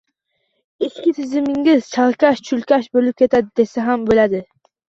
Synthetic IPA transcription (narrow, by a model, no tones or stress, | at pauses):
ɪskʲɪt̪ʰɪzɪmɪŋʲɪzt͡ʃʰɑlˠkʲaʃt͡ʃʰʊlkʲaʃbolɪp̚kʲʰe̞t̪ad̪ɪd̪e̞saɦambolad̪ɪ